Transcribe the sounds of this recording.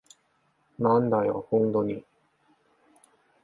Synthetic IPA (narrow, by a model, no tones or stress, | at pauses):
nãnd̪ajo̰hõnd̪oɲ̟i